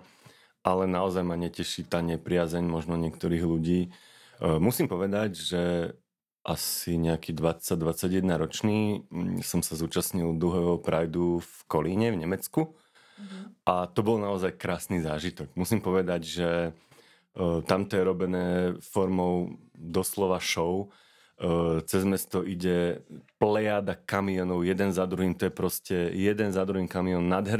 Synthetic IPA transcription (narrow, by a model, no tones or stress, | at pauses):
ʔalɛnaɔzajmaɲɛcɛʃit̪aːɲɛpɾɪazɛɲmɔʒnɔɲɪɛkt̪ɔɾiːɣluɟiː | musiːmpɔʋɛd̪aɟʒɛ | ʔasiɲɛakiːd̪ʋat͡sːaɟ̚d̪ʋat͡saɟjɛd̪naɾɔt͡ʃniːsɔmsazuːt͡ʃasɲild̪ɾuɦɛʋɔpɾajd̪ufkɔliɲɛvɲɛmɛt͡sku | ʔat̪ɔbɔlnaɔzajkɾaːsniːzaːʒit̪ɔɡmusiːmpɔʋɛd̪aɟʒɛ | t̪amt̪ɔjɛɾɔbɛnɛːfɔɾmɔʊd̪ɔslɔʋaʃɔʊ | t͡sɛzmɛst̪ɔʔiɟɛplɛjaːd̪akamiɔnɔʊjɛd̪ɛnzad̪ɾuɦiːmt̪ɔjɛpɾɔscɛjɛd̪ɛnzad̪ɾuɦiːkamiɔnːad̪ɦɛɾ